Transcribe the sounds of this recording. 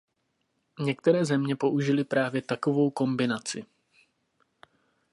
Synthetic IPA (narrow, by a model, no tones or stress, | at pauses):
ɲɛk̚t̪ɛɾɛːzɛmɲɛpo̞ʔuʒɪlɪpɾʔaːvjɛt̪ako̞vo̞wko̞mbɪnat͡sɪ